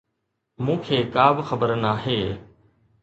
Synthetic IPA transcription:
mũːkʰeːkaːbxəbəɾnaːɦeː

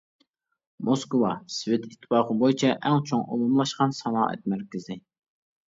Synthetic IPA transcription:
moskovɑsvɪt̪ʰit̪ʰːɨ̥pɑːqəbojit͡ʃʰɛʔɛŋt͡ʃʰoŋʔo̰lumlˠɑʃqɑnsɑnɑːʔɛ̰t̪̚mæɾkʲɪzɪ

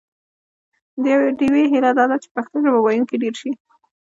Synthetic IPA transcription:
d̪əjaweɖiweɦɪlad̪ɑd̪at͡ʃe̥paxt̪əʒabawɑjuŋkeɖeɾʃi

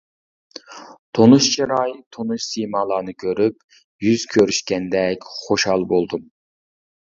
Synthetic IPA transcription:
t̪ʰonuʃt͡ʃʰiɾɑjt̪ʰonuʃsijmɑːlˠɑːnɨkʲʰøɾyp̚ | jyz̥kʲʰøɾyʃkʲɛnd̪ɛkʲχoʃhɑlˠbolˠd̪um

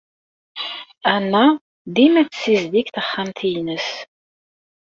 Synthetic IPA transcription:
ænːæ | d̪imæt͡sːsizd̪ikθəχːamθijnəs

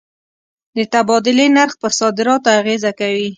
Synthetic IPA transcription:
d̪ət̪abɑd̪ɪlenaɾxpəɾsɑd̪ɪɾɑt̪oaɣezakawi

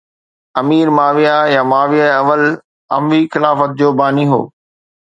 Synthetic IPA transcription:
ɐmiːɾmaːʋijajamaːʋijaeɐʋəl | ɐ̰mʋixɪlaːfət̪̚d͡ʑoːbaːniɦo̰ː

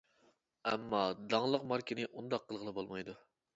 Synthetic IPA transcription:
ɛmːɑd̪ɑŋlˠəqmɑɾkʲinɪʔund̪ɑqʰːəlˠʁəlˠɨbolˠmɑjd̪u

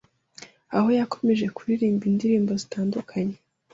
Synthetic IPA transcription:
aho̞jako̞me̞ʒe̞kuɾiɾiːmbindiɾiːmbo̞zitaːndukʰaɲe

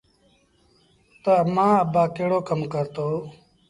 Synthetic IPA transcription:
t̪oəmãːəbaːkeːɽoːkəmkəɾt̪oː

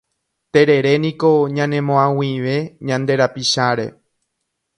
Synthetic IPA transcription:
t̪e̞ɾe̞ɾe̞nĩko̞ɲãnẽ̞mõãwiʋe̞ɲãnd̪e̞ɾapiʃaɾe̞̰

